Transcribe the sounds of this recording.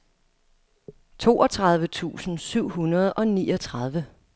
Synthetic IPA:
t͡sʰo̝̰ːʔɒ̽t͡sʰʁäðˠʋət͡sʰṵːsn̩syʊ̰ɦunɐð̞̩ˠɒ̽nḭːɒ̽t͡sʰʁɑðˠʋə

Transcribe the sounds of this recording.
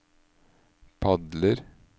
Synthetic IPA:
pʰɑd̪ləɾ

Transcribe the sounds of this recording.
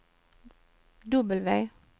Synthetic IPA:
d̪ʊbəlʋæɪ

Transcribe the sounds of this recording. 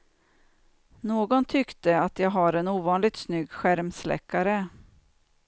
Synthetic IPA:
noːɡɔnt̪ʰʏkt̪əat̪jɑːɡɦaɾɛnuːvɑːnlɪɡ̚t̪snʏɡːɧæɾmslɛ̰kʰːaɾə

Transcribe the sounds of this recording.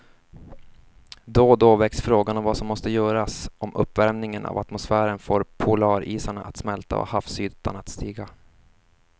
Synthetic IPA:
d̪ɔd̪oːvɛksfɾoːɡanɔmvasɔmːɔst̪əjœːɾasʔɔmʔɵ̰pːvæɾmnɪŋənʔa̰vat̪mʊsfæːɾənfoːɾpʰʊlɑːɾiːsaɳaʔat̪smɛlt̪a̰ɔ̰hafsyːt̪ːa̰nat̪st̪iːɡa

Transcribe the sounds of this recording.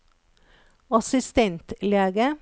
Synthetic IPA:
ɑsɪst̪ɛnt̪leːɡə

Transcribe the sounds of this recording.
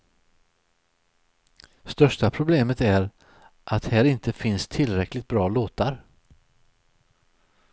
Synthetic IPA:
st̪œʂʈapʰɾʊbleːmət̪æɾ | ʔat̪hæːɾɪnt̪əfɪnst̪ʰɪlːɾɛklɪɡ̚t̪̚bɾɑːloːt̪aɾ

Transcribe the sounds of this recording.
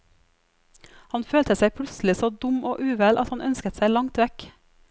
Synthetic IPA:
hɑnføːlt̪ʰəsæɪpʰlʉt̪sl̩ɪsoːd̪ʊmoːʔʉːʋɛlʔɑt̪hɑnʔœnskət̪sæɪlɑŋt̪ʋɛk

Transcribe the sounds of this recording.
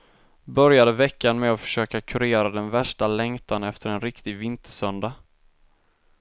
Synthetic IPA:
bœɾjad̪əvɛkːanmɛɔfœ̥ʂøːkakʰɵɾeːɾad̪ɛnvæʂʈalɛŋt̪ʰanɛft̪ʰəɾɛnɾɪkt̪ɪɡvɪnt̪ʰəʂœnd̪a

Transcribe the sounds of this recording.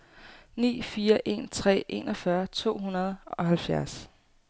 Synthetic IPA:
nḭːfiːɐʔe̝̰ːnt͡sʰʁɛ̰ːʔe̝̰nɒfɶɐt͡sʰo̝̰ːɦunɐð̞̩ˠɒ̽ɦælfjæɐs

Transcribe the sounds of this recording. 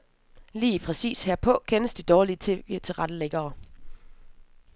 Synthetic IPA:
liːpʰʁɛsḭːsheɐ̰pʰɒ̽kʰenəsd̥id̥ɒːliət͡sʰe̝ʋḭɐt͡sʰe̝ʁɑ̈d̥əleɡ̥ɐː

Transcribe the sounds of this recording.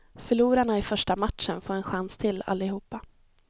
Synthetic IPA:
fœɭuːɾaɳaɪfœʂʈamat̪ʂənfoːɾɛnɧanst̪ʰɪla̰lːɪhuːpːa

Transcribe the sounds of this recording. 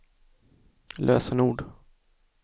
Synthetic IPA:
lʔøːsənuːɖ

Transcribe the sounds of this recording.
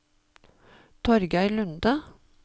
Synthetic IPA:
t̪ʰɔɾɡæɪlʉnd̪ə

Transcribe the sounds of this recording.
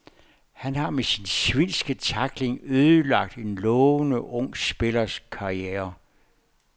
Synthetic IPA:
hænhɑ̈mesinsʋinsɡ̥ət͡sʰɑ̈ɡ̥le̝ŋøːðˠəlɑ̈ɡ̥̚d̥e̝nlɔːənəʔɔ̽ŋ̰sb̥e̝lɐskʰɑ̈ʁieːɐ

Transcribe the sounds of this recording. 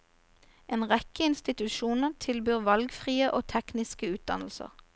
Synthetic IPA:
ʔeːnʁɛkəɪnst̪ɪt̪ʉʃuːnəʁt̪ʰɪlbyːʁʋɑlɡfʁiːəʔoːt̪ʰɛknɪskəʉːt̪̚d̪ɑ̰nl̩sə̰ʁ

